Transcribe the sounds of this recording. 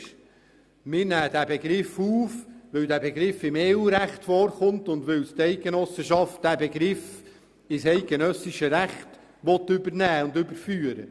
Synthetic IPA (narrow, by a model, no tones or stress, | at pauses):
ʃ | mɪːɾnæːd̥̪æbeɡɾɪfuːfʋɪwdæːbeɡɾɪfːɪmeːuːɾæχtfɔːɾχʊntʊnd̪ʋɪwst̪ɛɪɡ̥enɔsəʃɑft̚d̥æbeɡɾɪf | ɪsɛɪt̚ɡ̥enœsɪʃəɾæχt | ʋɔt̪ːʏbəɾnæːʊndʏbəɾfyːəɾə̰